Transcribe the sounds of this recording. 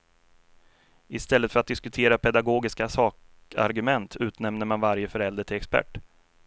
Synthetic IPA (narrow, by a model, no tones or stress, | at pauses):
ɪst̪ɛlːət̪fœɾat̪̚d̪ɪskɵt̪ʰeːɾapʰɛd̪aɡoːɡɪskasɑːk | a̰ɾɡɵmɛnt̪ʰʉ̟ːt̪nɛmnəɾmanvaɾjəfœɾɛld̪əʈʰɪlɛkspæ̰ʈː